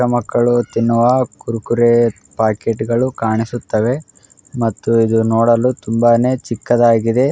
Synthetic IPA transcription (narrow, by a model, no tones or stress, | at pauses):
ɾɐmɐkːɐɭut̪inːuʋɐkuɾukuɾe | paːkeʈiɡɐɭukaːɳisut̪ːɐʋe̞ | mɐt̪ːuid̪unoːɽɐlut̪umbaːne̞ːt͡ʃikːɐd̪aːɡid̪e̞